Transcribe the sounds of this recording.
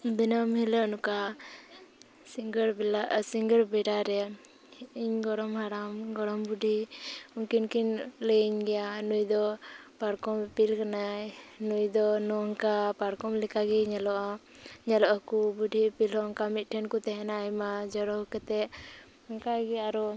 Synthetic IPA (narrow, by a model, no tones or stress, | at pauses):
d̪inəmɦilənuka | iŋɡɾlasiŋɡəɾbɛɖaɾɛ | iɲɡɔɽɔmɦaɾamɡɔɽɔmbuɖʱiɔŋkinkinləɲɡɛjanujd̪ɔpaɾkɔmpilkanajnujd̪ɔnɔŋkapaɾkɔmlikaɡɛɲɛlɔʔa | ɲɛlɔʔakubuɖʱipilɦɔŋkamit̪̚ˀʈʰɛnkut̪ɛɦɛnajmad͡ʒɔɾɔhkɛt̪ɛ | ɔŋkaɡɛaɾɔ